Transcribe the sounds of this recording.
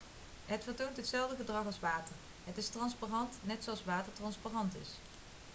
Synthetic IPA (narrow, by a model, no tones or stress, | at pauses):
ɦətfəɹtowntɦətsɛlˠvdəχədrɑχɑlˠsʋaːtər | ɦətɪstrɑnsparɑntnɛtsowɑlˠsʋaːtəɹtrɑnsparɑntɪ̰s